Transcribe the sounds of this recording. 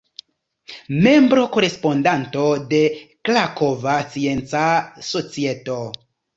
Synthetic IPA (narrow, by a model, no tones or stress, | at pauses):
me̞mbɾo̞ko̞ɾe̞spo̞ndanto̞de̞klakovat͡sie̞nt͡saso̞t͡sieto̞